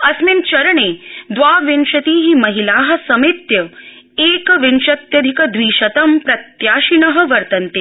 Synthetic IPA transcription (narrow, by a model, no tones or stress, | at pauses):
ɐsmint͡ʃɐɾɐɳeːd̪ʋaːʋenʃɐt̪iːɦimɐɦilaːɦɐ̆sɐmit̪jɐ | eːkʋinʃɐt̪jɐd̪ʱikɐd̪ʋiːʃɐt̪ɐmpɾɐt̪jaːʃinɐɦɐ̆ʋɐɾt̪ɐnt̪eː